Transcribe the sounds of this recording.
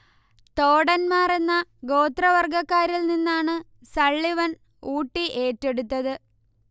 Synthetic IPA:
t̪o̞ːɽɐnmaːre̞nːɐɡo̞ːt̪rɐʋɐrɡɐkːaːɾilninːaːɳɨ | sɐɭːiʋɐn | uːʈːiʔe̞ːtːe̞ɽut̪ːɐðɨ

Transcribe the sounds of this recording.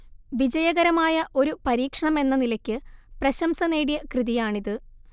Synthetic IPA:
ʋid͡ʑɐjɐɣɐɾɐmaːjɐʔo̞ɾupɐɾiːkʂɐɳɐme̞nːɐnilɐkʲːɨprɐɕɐmsɐneːɽijɐkrɨðijaːɳiðɨ

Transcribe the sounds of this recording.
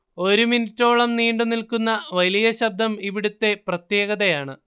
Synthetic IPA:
o̞ɾuminutːo̞ːɭɐmniːɳɖunilkunːɐʋɐlijɐɕɐb̚d̪ʱɐmiʋiɽut̪ːe̞prɐt̪je̞ːɣɐðɐjaːɳɨ

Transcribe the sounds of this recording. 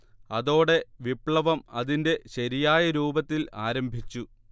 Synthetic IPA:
ɐðo̞ːɽe̞ʋipɭɐʋɐmɐðinde̞ɕɐɾijaːjɐɾuːbɐt̪ːila̰ːɾɐmbʱit͡ɕːu

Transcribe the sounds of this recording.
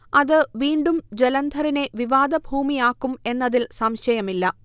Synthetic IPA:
ɐðɨʋiːɳɖumd͡ʑe̞lɐnd̪ʱɐɾine̞ʋiʋaːd̪ɐbʱuːmijaːkːume̞nːɐðilsɐmɕɐjɐmilːɐ

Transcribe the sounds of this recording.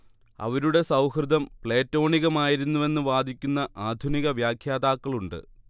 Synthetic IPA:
ɐ̰ʋɐɾuɽe̞sɐwhrɨd̪ʱɐmpɭeːtːo̞ːɳiɣɐmaːjiɾunːuʋe̞nːɨʋaːd̪ʱikʲːunːɐʔaːd̪ʱuniɣɐʋjaːkʰjaːd̪aːkːɐɭuɳɖɨ̰

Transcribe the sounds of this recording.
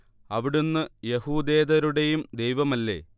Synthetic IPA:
ɐʋiɽunːɨjehuːd̪e̞ːd̪ɐɾuɽe̞jumd̪ejʋɐmɐlːe̞̰

